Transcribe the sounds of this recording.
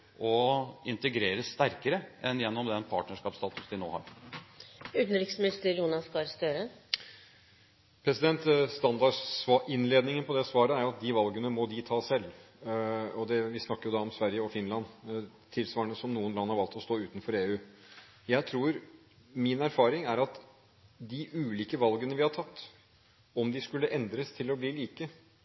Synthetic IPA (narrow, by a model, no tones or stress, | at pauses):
ʔɔɪnt̪əɡɾeːɾəsːt̪æɾkəɾəʔɛnjɛnːɔmd̪ɛnpʰɑːʈnəʂkɑːpst̪ɑːt̪ʉ̥sd̪ɪno̰ːhɑ̰ːɾ | ʉt̪n̩ɾɪksmɪst̪əɾjuːnɑfkɑɾst̪øːɾə | pʰɾɛsɪd̪ɛnt̪st̪ɑnd̪ɑsʋɑʔɪnleːd̪nɪŋənpʰɔd̪ɛsʋɑːɾəæɾjʊɑt̪̚d̪ɪʋɑlɡənəmɔd̪ɪt̪ʰɑːsɛl | ɔd̪ɛʋɪsnɑkːəɾjʊd̪ɑɔmsʋæɾjəɔfɪnlɑn | t̪ʰɪlsʋɑːɳəsɔmnuːənɡɑŋːhɑɾʋɑlt̪ɔst̪oːʉːt̪nfɔɾeːʉː | jæɪt̪ʰɾuːɾ | mɪnæɾfɑːɾɪŋæɾɑt̪ | d̪ɪʔʉːliːkəʋɑlɡənəʋɪhɑt̪ʰɑt̪ː | ɔmd̪ɪskʉlːəʔɛnd̪ɾəst̪ʰɪlɔbliːliːkə